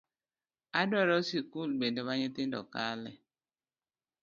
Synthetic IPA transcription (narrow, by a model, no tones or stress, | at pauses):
adoaɾɔsikulɡ͡bendeβaɲeten̩dɔ̰kalḛ